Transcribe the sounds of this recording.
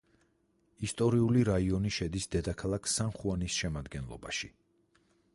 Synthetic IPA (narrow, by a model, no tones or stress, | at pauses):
ist̪ʼɔɾiuliɾaiɔniʃɛd̪isd̪ɛd̪akʰalˠakʰsanχuanisʃɛmad̪ɡɛnlˠɔ̰ba̰ʃi